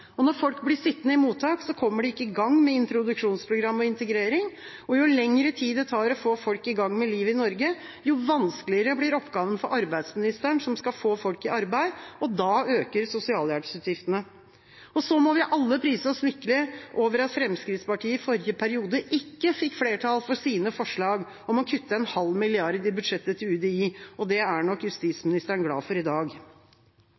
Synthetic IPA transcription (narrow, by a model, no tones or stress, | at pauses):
ɔnɔɾfɔlkblɪsɪt̪ːnəɪmuːt̪ʰɑːksɔkʰɔmːəɖɛɪkːəɪɡɑŋːmɛɪnt̪ɾʊd̪ʉʂuːnspʰɾʊɡɾɑmːɔɪnt̪əɡɾeːɾɪŋ | ɔjʊlɛŋɾət̪ʰiːd̪ət̪ʰɑːɾɔfoːfɔlkɪɡɑŋːmɛliːʋəɪnɔɾɡə | jʊʋɑnsklɪəɾəblɪɾɔpːɡɑːʋənfɔɾʔɑɾbæɪd̪smɪnɪst̪əɳʂɔmskɑfoːfɔlkɪɑɾbæɪɔd̪ɑːøːkəɾsʊsɪɑːljæːɾksʉːt̪jɪft̪ənə | ɔsɔmɔʋɪʔɑlːəpʰɾiːsəɔsmʏkːəlɪʔoːʋəɾɑt̪fɾɛmskɾɪt̪spɑʈʰiːəɪfɔɾjəpʰæɾɪuːd̪əʔɪkːəfɪkːfleːʈʰɑlfɔsiːnəfɔʂɭɑːɡ | ɔmɔkʰʉt̪ːəɛnhɑlːmɪlɪɑɾd̪ɪbʉd̪ʂɛt̪ːət̪ʰɪlʉːd̪ɛiːɔd̪ɛæɳɔkːjʉst̪iːsmɪnɪst̪əɳɡlɑ̰ːfɔɾɪd̪ɑːɡ